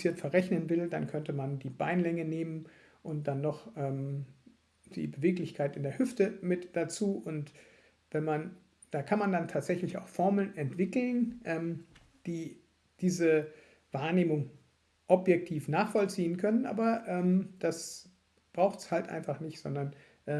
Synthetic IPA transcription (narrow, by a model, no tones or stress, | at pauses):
t͡siːɐtfɛɐʁɛçnənvɪlda̰nkʰœntəmandiːba̰ɪnlɛŋəneːmən | ʔʊnt̚d̥anːɔχʔɛːm | d̥ḭːbəveːklɪçkʰaɪtɪndeːɐhʏftəmɪtd̥at͡suːʔʊnt | vɛnman | d̥aːkʰanmandantʰaːtz̥ɛçlɪçaʊxfɔɐml̩nʔɛntv̥ɪkl̩nʔɛːm | d̥iː | d̥iːzə | vaːɐneːmʊŋ | ʔɔpjɛk̚tʰiːfnaːχfɔlt͡siːənkʰœnənʔa̰ːbɐʔɛːmd̥as | b̥ʁaʊxtshaltʔa̰ɪnfaχnɪçtz̥ɔndɐn | ʔɛː